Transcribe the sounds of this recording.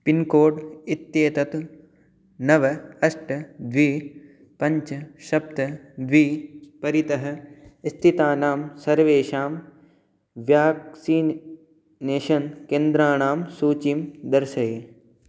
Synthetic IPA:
pinkoːɖit̪jeːt̪ɐt̪u | nɐʋɐɐʃʈd̪ʋiː | pɐ̃ɲt͡ʃɐʃɐp̚t̪ɐd̪ʋiːpɐɾit̪ɐɦɐ̆st̪ʰit̪aːnaːmsɐɾʋeːʃaːm | ʋjaːksiː | neːʃɐnkẽːnd̪ɾaːnaːmsuːt͡ʃimd̪ɐɾʃɐje

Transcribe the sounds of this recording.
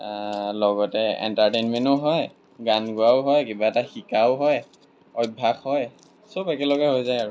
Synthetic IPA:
lɔɡɔtɛɛ̰ntaɹtenmɛntɔɦɔj | ɡanɡʊaʊɦɔjkibaɛtaxikaʊɦɔj | ɔj̚bʱaxɦɔj | sopɛkɛlɔɡɛɦojzajaɹu

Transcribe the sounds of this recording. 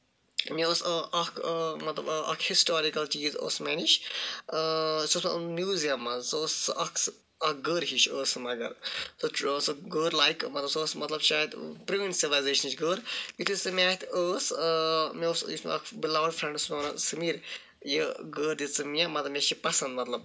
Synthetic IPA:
mioːsʔɐkʰmɐt̪lɐbɐ̰kʰhisʈoːɾikɐlt͡ʃiːzo̰ːsmeniʃ | soːsmɐmjuːzijɐmːɐzsoːsʔɐk | ɐkɡəːɾɦiʃəːsɨmɐɡɐ̰ɾsosɨɡəːɾlaːjkmɐt̪lɐbsoːsmɐt̪lɐbʃaːjd̪pɾiʋensiʋlajzeːʃɐnt͡ʃɡəːɾbit̪ʰisɨmʲaːt̪ʰəːsmioːsḭsm̰ɐ̰kʰbilɐʋɖfɾẽɳɖsmoːnɐsɨmiɾ | jəɡəːɾd̪it͡sɨmiamɐɐmʲeʃipɐsɐnd̪mɐt̪lɐb̚

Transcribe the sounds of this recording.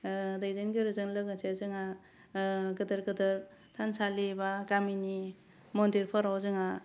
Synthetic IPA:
dajzenɡiɾɯzɯŋlɯɡɯsezɯŋa | ɡɯdɯɾɡɯdɯɾ | tʰansalibakamini | mɔndiɾpʰɯɾawzɯŋa

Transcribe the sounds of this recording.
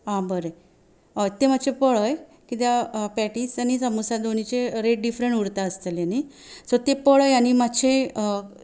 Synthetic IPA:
ɦãbəɾe | t̪em̤at͡ɕʰepəɭəj | kit̪japɛʈisanisəmusad̪onit͡ɕeɾeʈ̚ɖifɾəɳuɽt̪aəst̪əljani | sɔt̪epəɭəjanimat͡ɕʰe

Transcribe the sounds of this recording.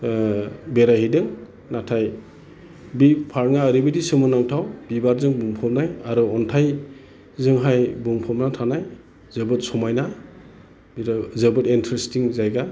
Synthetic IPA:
beɾaɦidɯŋ | natʰaj | bipʰaɾŋaːɾibɯdisɯmɯnawtʰawb̥ibaɾzɯŋbuŋpʰɔp̚najaɾuɔntʰaj | zɯŋɦajbuŋpʰɔmnatʰanaj | zɯbɯt̚sɔmajna | bɾzɯbɯtintʰɾistiŋzajɡa

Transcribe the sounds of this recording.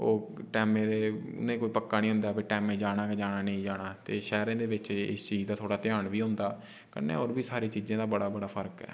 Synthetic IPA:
oːʈɛːmẽːd̪eːʊ̰nẽːkoːiːpəkːaːnĩːɦʊ̃nd̪aːpʰɪɾʈɛːmẽːd͡ʒaːɽ̃aːked͡ʒaːɽ̃aːnə̃ĩːd͡ʒaːɽ̃aːt̪eːʃɛːɾãːd̪eːʋɪt͡ʃɪ̰st͡ʃiːd͡ʒd̪aːt̪ʰoːɽaːt̪ɪjaːɳʋiːɦʊ̃nd̪aː | kə̰nḛːoːɾbiːsaːɾiːt͡ʃiːzãːd̪aːbəɽaːbəɽaːpʰəɾkɛ̰ː

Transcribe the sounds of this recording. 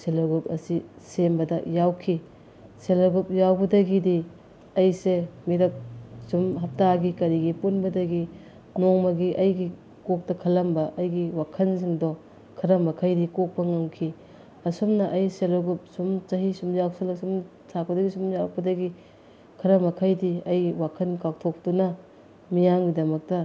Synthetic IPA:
seloɡupɐsisembɐdɐjawkʰi | selɐɡup̚jawbɐdɐɡidi | ɐjsemiɾɐp̚sumɦɐp̚taɡikɐɾiɡipunbɐdɐɡi | nɔŋmɐɡiʔɐjɡi | kok̚tɐkʰɐlɐmbɐʔɐjɡiwakʰɐnsiŋdɔ | kʰɐɾɐmɐkʰɐjdikok̚pɐŋaŋkʰi | ɐsumnɐʔɐjselɐɡup̚sumt͡ʃɐɦisumzakselɐksum | sʰak̚pɐdɐɡisumzak̚pɐdɐɡi | kʰɾɐmɐkʰɐjdiɐjwakʰɐnkak̚tʰok̚dunɐ | mijaŋɡidɐmɐk̚tɐ

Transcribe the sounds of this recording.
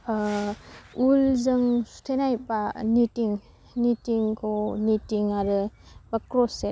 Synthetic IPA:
ulzɯŋsu̥tʰenajpanitiŋ | nitiŋkʰonitiŋaɾɯbakɾɔse

